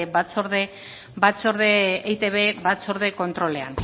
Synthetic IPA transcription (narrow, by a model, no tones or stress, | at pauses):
bat͡soɾðe | bat͡soɾðeːjt̪eβe̞βat͡so̞ɾðe̞ko̞nt̪ɾo̞le̞a̰n